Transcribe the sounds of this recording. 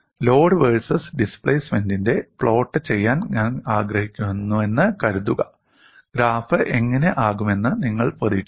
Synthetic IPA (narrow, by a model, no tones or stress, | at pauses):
lo̞ːɖɨʋeɻsɐsɖispɭejsmendinde̞fɭo̞ːʈːɨt͡ɕe̞jːaːnɲaːnaːɡrɐhikʲːumenːue̞nːɨkɐɾuðuɣɐ | ɡ̥ɾaːfɨʔeŋːɐne̞ʔaːɣume̞nːɨniŋːɐɭpɐriʈː